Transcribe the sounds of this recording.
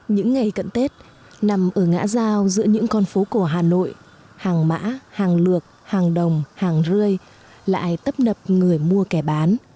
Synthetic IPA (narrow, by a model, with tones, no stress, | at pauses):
ɲɨ̰˧˥ŋːa˨˩jkə̰˧˨nt̪e˦˥t̚ | na˨˩mʔəː˧˩ŋa̰ː˧˥zaː˧wzɨ̰˧˥əɲɨ̰˧˥ŋkɔ˧nfo˨˦ko˧˩əɦaː˨˩no̰˧˨j | haː˨˩ŋma̰ː˧˥haː˨˩ŋlɨ˨˩ək̚haː˨˩ŋɗə˨˩wŋ͡mhaː˨˩ŋzɨ˧əj | la̰ː˧˨jt̪ə˦˥p̚nə˨˩p̚ŋɨ˨˩əjmu˧əkɛ˧˩ɓaː˨˦n